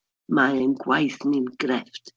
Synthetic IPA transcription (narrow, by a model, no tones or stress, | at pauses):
maənɡwajθnɪmɡ̥ɾɛft